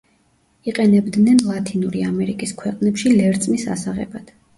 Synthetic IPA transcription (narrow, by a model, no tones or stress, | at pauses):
iqʼɛnɛbd̪nɛnlˠat̪ʰinuɾiamɛɾikʼiskʰwɛqʼnɛpʃilɛɾt̪sʼmisa̰saʁɛ̰bad̪̥